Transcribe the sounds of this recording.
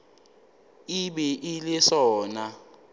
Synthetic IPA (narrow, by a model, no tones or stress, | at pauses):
iɓɛʔilɪsɔːna